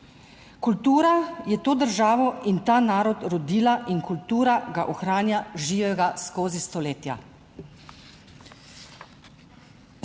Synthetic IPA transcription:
kult̪uːɾajɛt̪oːd̪əɾʒaːʋɔint̪aːnaːɾɔt̪ɾɔd̪iːlaʔinkult̪uːɾaɡaʔɔxɾaːnjaʒiːʋɛɡaskoːzist̪ɔleːt̪ja̰

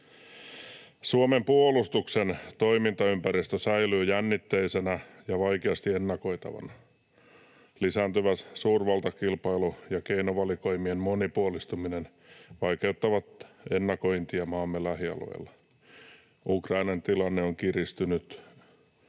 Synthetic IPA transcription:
suomempuolust̪uksent̪o̞imint̪ɑympæɾist̪øsæilyːjænːit̪ːeisenæjɑʋɑikeɑst̪ienːɑko̞it̪ɑ̰ʋɑ̰nɑ | lisæːnt̪yʋæssuːrʋɑlt̪ɑkilpɑjlujɑkeinoʋɑliko̞imiemmo̞nipuolist̪uminen | ʋɑjkeut̪ːɑʋɑt̪e̞nːɑko̞int̪iɑmɑːmːelæhiɑ̰lo̰ilːɑ | ukrɑinɑnt̪ilɑnːeoŋkirist̪ynyt̪

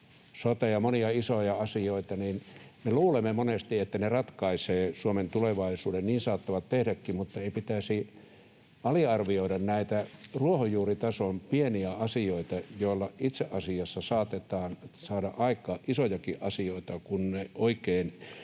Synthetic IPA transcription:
sot̪ɑjɑmoniɑisojɑɑsioit̪ɑninmeluːlemːemonest̪iet̪ːænerɑt̪kɑiseːsuoment̪uleʋɑisuːdenniːnsɑːt̪ːɑʋɑt̪t̪ehdækːimmut̪ːɑeipit̪æsi | ɑliɑrʋioiɾɑnnæit̪æruohojuːrit̪ɑsompieniæɑsioit̪ɑjoˑilːɑʔit̪seʔɑsiɑsːɑsɑːt̪et̪ɑːnsɑːdɑʔɑikˑɑːʔʔisojɑkiʔɑsioit̪ɑkunneoikeːn

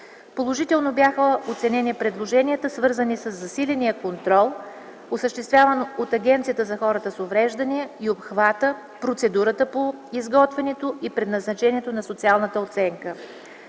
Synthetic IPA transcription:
polˠoʒit̪ɛlˠnobjaxəot̪sɛnɛnipɾɛd̪lˠoʒɛniət̪əsvɤɾzənisəzːɐsilʲɛnijəkont̪ɾɔlˠ | osəʃt̪ɛst̪vʲjavənoot̪ɐɡʲɛnt̪sijət̪əzɐxɔɾət̪əsovɾɛʒd̪əniɛiopxvat̪ə | pɾot̪sɛd̪uɾət̪əpoizɡɔt̪vɛnɛt̪oipɾɛd̪nɐznɐt͡ʃɛniɛt̪onɐsot̪sialˠnət̪əot̪sɛŋkə

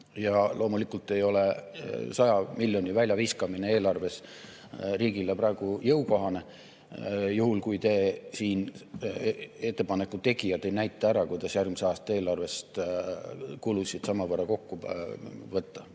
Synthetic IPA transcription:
jɑlʔo̞ːmulikult̪ːˑe̞jo̞le̞sɑjɑmilʲjonʲivælʲjɑviskɑmine̞e̞ːlɑrve̞s | riːɡ̥ileprɑeɡ̥ujɤwko̞ɦɑne̞ | juhulkujt̪esiːn | e̞t̪ːepɑne̞kːut̪e̞ɡijɑd̪ejnæjt̪ːˑɑæɾɑkujd̪̥ɑsjærɡ̥̚miseɑːst̪ɑe̞ːlɑrve̞st̪ | kulusʲid̪̥sɑmɑvərːɑko̞kːu | vɤt̪ːɑ

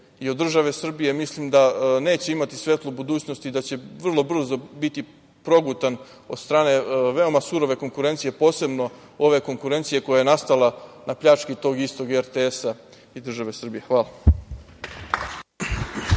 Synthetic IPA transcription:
iod̪ːr̩ʒaʋe̞sr̩bije̞mislimd̪ane̞ːt͡ɕe̞imat̪i̥sʋe̞t̪lˠobud̪uːt͡ɕno̞st̪id̪at͡ɕe̞ʋr̩lˠo̞br̩zobit̪i | pɾo̞ɡut̪an | od̪̥st̪ɾaːne̞ʋe̞o̞masuɾo̞ʋe̞ko̞ŋkuɾe̞nt̪sije̞po̞ːse̞bno̞ | o̞ʋe̞ko̞ŋkuɾe̞nt̪sije̞ko̞jajenast̪alanapʎat͡ʃkit̪o̞ːɡist̪o̞ɡeɾt̪eesa | id̪r̩ʒaʋe̞sr̩bije̞xʋaːlˠa

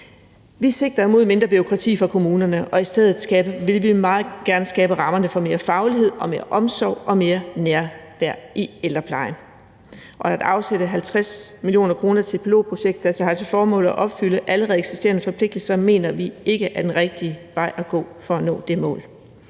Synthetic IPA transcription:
ʋise̝ɡ̥̚d̥ʁɐmo̝ð̰ˠme̝nd̥ʁɐb̥yʁo̝kʰʁɑ̈t͡sʰḭːfɑ̈kʰo̝muːnɐnəʔɒ̽isd̥eð̰ˠð̩ˠɡ̥ɛb̥əʋe̝lʋimɑ̈ːð̩ˠɡ̥æɐnəsɡ̥ɛːb̥əʁɑ̈mɐnəfɒ̽me̝ːɐfɑ̈ʊliɦe̝ð̞̰ˠɒ̽me̝ːɐʔɒ̽msɒʊ̰ɒ̽me̝ːɐnæɐʋæɐ̰iel̥ɐpʰlɑ̈ɪn | ʔɒ̽æd̥ɑ̈ʊseɾ̥əɦælt͡sʰʁasmilio̝̰ːnɐkʰʁo̝ːnɐt͡sʰe̝b̥lo̝̰ːpʰʁoɕeɡ̥d̥ælsɐhɑ̈t͡sʰe̝fɒːmɔ̰̽ːl̩ˠæʔɒ̽b̥fyləʔæləʁɛð̩ˠeɡ̥sisd̥e̝̰ɐnəfɒ̽pʰle̝ɡ̥̚d̥əl̩sɐme̝̰ːnɐʋie̝ɡ̥əʔæɐd̥enʁɛɡ̥̚d̥iʋɑ̈ɪ̰ʔæɡ̥ɔ̰̽ːfɒ̽ænɔ̰̽ːd̥e̝mɔ̰̽ːl

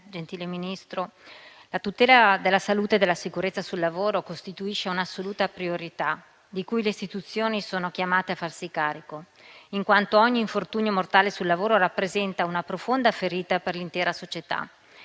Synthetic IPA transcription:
d͡ʒent̪iːleminist̪ɾo | lat̪ut̪ɛːlad̪elːasaluːt̪ed̪elːasikuɾet̪sːasulːavoːɾokost̪it̪uiʃeunasːoluːt̪apɾioɾit̪a | d̪ikujleist̪it̪ut̪sːjoːnisoːnok̟jamaːt̪eafːarsikaːɾiko | iŋkwant̪oɔɲːiːɱfort̪uːɲomort̪aːlesulːavoːɾoɾapːɾezɛnt̪aunapɾofond̪afeɾiːt̪aperlint̪ɛːɾasot͡ʃet̪a̰

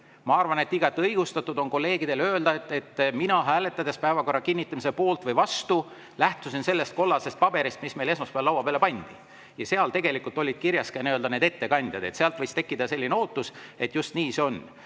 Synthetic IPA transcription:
mɑɑrvɑnet̪ːˑiɡ̥ɑt̪ːiɤjɡ̥ust̪ɑt̪ːˑud̪o̞nko̞lːe̞ːɡid̪̥e̞lø̞ːld̪̥ɑt̪ːe̞t̪ˑːminɑɦæːle̞t̪ːˑɑd̪̥e̞spæevɑko̞rːɑkinʲːit̪ːˑɑmise̞po̞ːlt̪vɤjvɑst̪u | læht̪usinse̞lːe̞st̪̚ko̞lːɑse̞st̪̚pɑb̥e̞ɾist̪mismejle̞s̬mɑspeɑlːɑwːɑb̥elepɑnʲd̪̥i | jɑseɑlt̪e̞ɡe̞likːult̪ˑo̞lʲːid̥̪̚kirjɑskeniøld̪ɑne̞ːd̪et̪ːe̞kɑnʲd̪̥jɑ̰d̪e̞t̪seɑlt̪vɤjst̪e̞kːid̪̥ɑse̞lːineo̞ːt̪ːˑuse̞t̪ˑjust̪niːseo̞n

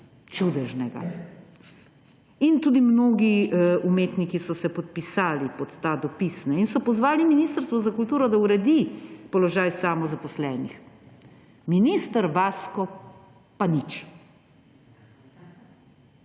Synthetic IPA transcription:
t͡ʃud̪ɛʒnɛɡa̰ | int̪uːd̪imnoːɡiumeːt̪nikisɔsɛpɔt̪̚pisaːlipɔt̪ːad̪ɔpisnɛinsɔpɔzʋaːliminist̪əɾst̪ʋɔzakult̪uːɾɔd̪auɾɛd̪ipɔlɔʒaːjsaːmɔzapɔslɛːnḭx | minist̪əɾʋaːskɔ | panit͡ʃi̥

